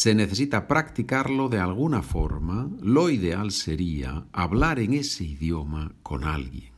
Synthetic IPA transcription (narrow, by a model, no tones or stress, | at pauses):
se̞neθe̞sit̪apɾakt̪ikaɾloðealɣ̞unafo̰ɾmaloiðealseɾia̰aβlaɾeŋeseiðjomako̞̰na̰lɣjeŋ